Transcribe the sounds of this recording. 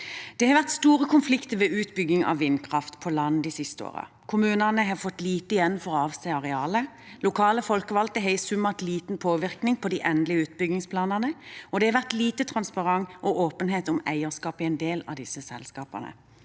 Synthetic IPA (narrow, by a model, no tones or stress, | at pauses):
d̪̥ɛhɑɾʋæʁt̪st̪uːʁəkʰʊnflɪkt̪əʋɛʔʉːt̪bʏɡɪŋɑ̰ʋʋːɪnːkʰʁɑft̪pʰɔlɑnːd̪ɪsɪst̪əo̰ːʁə̰ | kʰʊmʉːnənəɦɑfɔt̪liːt̪əɪjɛnfɔʁɔɑːʋsæɪɑʁɛɑːlə | lʊkʰɑːləfɔlkəʋɑlt̪əɦɛɪsʉmːɑʁt̪liːt̪n̩pʰoːʋɪʁknɪŋpʰɔd̪iːʔɛnd̪lɪəʉːt̪bʏɡɪŋspʰlɑːnəʁnəɔd̪ɛhɑʋæʁt̪liːt̪ət̪ʰʁɑnspɑʁɑŋʔɔʔoːpənɦeːt̪ʊmæ̰ɪəʁskɑːpɪɛɪnd̪eːlɑ̰d̪ɪsːəsɛ̰lskɑːpə̰nə̰